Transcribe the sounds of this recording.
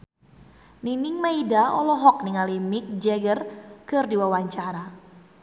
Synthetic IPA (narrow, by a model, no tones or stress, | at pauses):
ninɪŋmaidaɔlɔɦɔk̚niŋalimɪk̚d͡ʒɛɡərkɨrdiwawaɲt͡ʃaɾa